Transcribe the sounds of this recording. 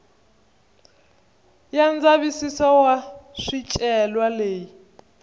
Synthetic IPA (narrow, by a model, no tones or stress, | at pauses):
jand͡zaβisisɔwaʂit͡ʃʼɛlwaleːji